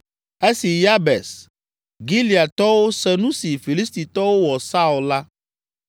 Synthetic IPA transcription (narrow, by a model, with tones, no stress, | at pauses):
e˦si˨ja˦bɛ˨s | ɡi˦li˨a˨t̪ɔ˦wo˦sɛ˨nũ˦si˨fi˨li˦st̪i˨t̪ɔ˦wo˦wɔ˨sa˦u˨la˦